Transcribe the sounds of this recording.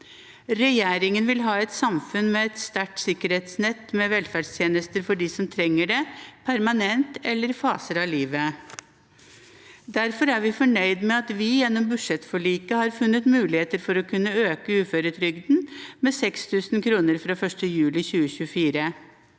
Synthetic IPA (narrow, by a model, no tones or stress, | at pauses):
ɾɛjeːɾɪŋənʋɪlɦɑːɛt̪sɑmfʉnmɛɛt̪st̪æʈsɪkːəɾheːt̪snɛt̪ːmɛʋɛlfæɖst̪ʰjeːnəst̪əɾfɔɖisɔmt̪ʰɾɛŋːəɖɛpʰæɾmɑnɛnt̪ɛlːəɾfɑːsəɾɑliːʋə | d̪æɾfɔɾæɾʋɪfɔɳœʏd̪mɛɑt̪ʋɪjɛnːɔmbʉʂɛt̪fɔɭiːkəhɑɾfʉnːət̪mʉːlɪheːt̪əɾfɔɾɔkʰʉnːəøːkəʉːføːɾət̪ʰɾʏɡd̪n̩mɛsɛkst̪ʰʉːsnkʰɾuːnəɾfɾɑfœʂʈəjʉːlɪçʉːəɕʉəfiːɾə